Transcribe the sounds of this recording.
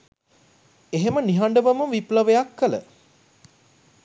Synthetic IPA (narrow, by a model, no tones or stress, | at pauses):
eɦeməniɦaɳɖəʋəməʋipləʋejakːələ̰